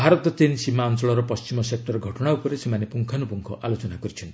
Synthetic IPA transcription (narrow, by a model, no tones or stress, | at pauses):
bʱaɾɔt̪ɔt̪insimaɔnsɔɭɔɾɔpɔst͡ʃimɔsek̚ʈɔɾɡʱɔʈɔɽ̃aupɔɾesemanepuŋkʰanupuŋkʰɔʔalot͡ʃɔnakɔɾit͡ʃʰɔnt̪